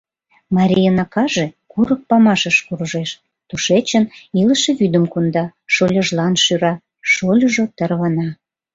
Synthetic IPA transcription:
mɑɾʲijənɑkɑʒekuɾək̚pɑmɑʃəʃkurʒeʃ | t̪uʃet͡ɕəniləʃĕβyd̪əmkund̪ɑʃolʲəʒlɑnʃyɾɑ | ʃolʲəʒot̪ərβənɑ

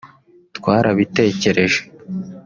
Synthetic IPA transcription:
tkwaːɾaβite̞ːce̞ɾe̞ʒe̥

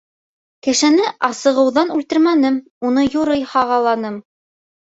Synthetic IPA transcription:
kɘ̆ʃɘ̆nɘʔɑsɤ̆ʁɤ̆wðɑnʉlt̪ɘɾmænɘm | unɤjuɾɤjhɑʁɑlˠɑnɤm

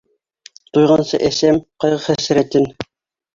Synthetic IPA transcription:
t̪ujʁɑnsɤ̰ʔæsæmqɑjʁɤχæsɾæt̪ɘn

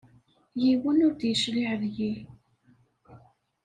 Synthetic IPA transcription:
jiwənʊɾd̪jəʃliʕəðji

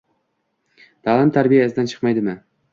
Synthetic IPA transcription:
d̪̥alˠɪmt̪ʰaɾbijasɪd̪ant͡ʃʰɨ̥qmajd̪ɪmɪ

